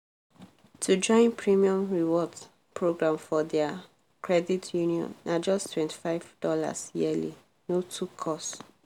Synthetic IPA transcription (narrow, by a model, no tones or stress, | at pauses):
tʰud͡ʒɔ̃ɪ̃npʰɹimiɔ̃mɹiwɔd | pʰɹoɡɹãmfɔdɛa | kʰɹɛditʰjuniɔ̰̃nːad͡ʒɔstʰwɛ̃nti̥faɪvdɔla̰sjili | notʰukʰɔst